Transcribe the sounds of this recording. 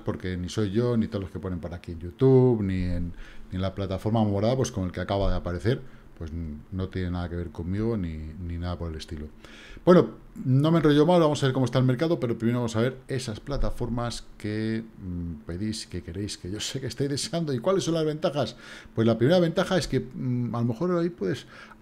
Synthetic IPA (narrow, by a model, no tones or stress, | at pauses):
po̞ɾke̞niso̞jʝo̞nit̪oloske̞po̞ne̞mpoɾakieɲɟut̪uβnienːinlaplat̪afoɾmamemoɾaðap̬we̞skoŋe̞lkeakaβaðeapaɾe̞θe̞ɾpwe̞zno̞t̪jenenaðake̞β̞e̞ɾko̞mmiɣ̞o̞nininaðapo̞ɾe̞le̞st̪ilo̞ | bwe̞no̞ | no̞menroʝo̞malβamo̞saβeɾko̞moest̪alme̞ɾkaðo̞pe̞ɾo̞pɾimeɾoamosaβ̞e̞ɾe̞sasplat̪afo̞ɾmaske̞ | pe̞ðiske̞ke̞ɾe̞jske̞ʝo̞se̞kest̪ajzðeseand̪oikwale̞sːo̞nlazβe̞nt̪axaspwe̞zlapɾime̞ɾaβ̞e̞nt̪axae̞ske̞alo̞me̞xo̞ɾaipwe̞ðe̞s